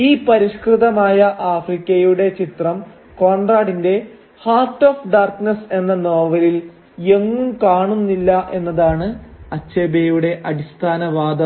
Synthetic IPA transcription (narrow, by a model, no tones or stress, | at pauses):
iːpɐɾiɕkrɨðɐmaːjɐʔaːfrikʲːɐjuɽe̞t͡ɕit̪rɐm | ko̞ːɳɖraːɖinde̞ | haːrʈːoːfɖaːrknɐse̞nːɐno̞ːʋɐlil | e̞ŋːumkaːɳunːilːɐʔe̞nːɐðaːɳɨɐt͡ɕːeːbejuɽe̞ʔɐɽist̪ʰaːnɐʋaːd̪ɐ